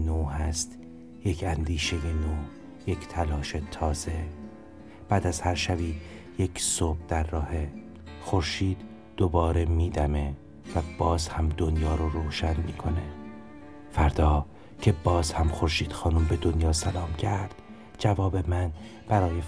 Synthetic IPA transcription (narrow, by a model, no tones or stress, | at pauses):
noːhæst̪ | je̞cʰænd̪iːʃe̞jenoː | je̞cʰt̪ʰælɒːʃe̞t̪ʰɒːz̥e̞ | b̥æːd̪æzhæɾʃæbiː | je̞cʰsob̥̚d̪æɾːɒːhe̞ | xo̞ɾʃiːd̪̥ː | obɒːɾe̞miːd̪æme̞ | væb̥ɒːzhæmd̪o̞njɒːɾoɾoːʃænmiːkʰo̞ne̞ | fæɾd̪ɒː | cʰe̞bɒːz̥hæmxo̞ɾʃiːd̪̥xɒːnumbe̞d̪onjɒːsælɒːmcʰæɾd̪̥ | d͡ʒævɒːbe̞mæn | b̥æɾɒːje